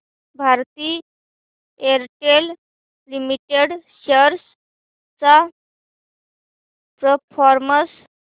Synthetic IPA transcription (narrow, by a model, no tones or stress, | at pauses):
bʱaɾt̪i | eɾʈel | limiʈeɽɕəɾs | t͡sa | pɾəpʰɔɾməs